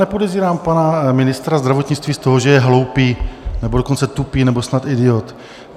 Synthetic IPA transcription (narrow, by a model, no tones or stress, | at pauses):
ɛpo̞dɛvziːɾaːmpanamɪnɪst̪ɾazd̪ɾavo̞t̪ɲɪt͡st̪viːst̪o̞ɦoʒɛjɛɦlo̞wpiːnɛbodo̞kont͡sɛt̪upiːnɛbo̞snat̪ɪdɪot̪